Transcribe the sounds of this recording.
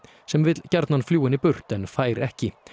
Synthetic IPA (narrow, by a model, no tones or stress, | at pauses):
sɛmvɪt̪lcaɾt̪nanfljuːɪnipʏr̥t̪ɛnfaːjɾɛhcɪ